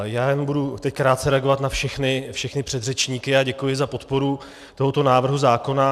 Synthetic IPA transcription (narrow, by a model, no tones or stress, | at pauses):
jaːjɛnombudut̪ɛckɾaːt̪̚t͡sɛɾɛaɡo̞vat̪nafʃɛxnɪfʃɛxnɪpr̥ɛd̪r̝ɛt͡ʃɲiːkɪaɟɛkujɪzapo̞t̪po̞ɾu | t̪o̞ɦo̞t̪o̞naːvr̩ɦuzaːko̞na